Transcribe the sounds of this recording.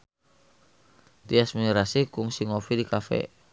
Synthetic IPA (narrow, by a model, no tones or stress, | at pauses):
t̪iasminɾasikʊŋsiŋofidikafɛ̰